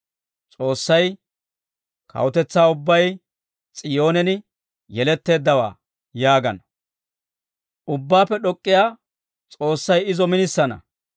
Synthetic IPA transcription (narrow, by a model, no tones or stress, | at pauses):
t͡sʼo̞ːsːɐj | kɐ̰wʊt̪ɛt͡sːaːʊbːɐj | t͡sʼɪjo̞ːnɛnɪ | jɛlɛt̪ːe̞ːd̪ːɐwa̰ː | jaːɡɐnɐ | ʔʊbːaːpːɛɗɔkʼːɪjaː | t͡sʼo̞ːsːɐjɪzɔmɪnɪsːɐnɐ̰